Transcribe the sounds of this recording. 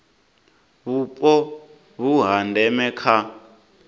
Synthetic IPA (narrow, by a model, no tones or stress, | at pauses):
βupʼɔ | βuɦandʱɛmɛkʰa